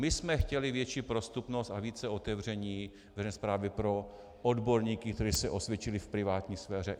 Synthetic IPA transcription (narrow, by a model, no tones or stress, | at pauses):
mɪsmɛxcɛlɪvjɛt͡ʃiːpɾost̪upnost̪aviːt͡sɛo̞t̪ɛvr̝ɛɲiː | vɛzɛnspɾaːvɪpɾo̞ | ʔodbo̞ɾɲiːkɪkt̪ɛɾiːsɛʔo̞svjɛt͡ʃɪlɪfpɾɪvaːt̪ɲiːsfɛːrɛ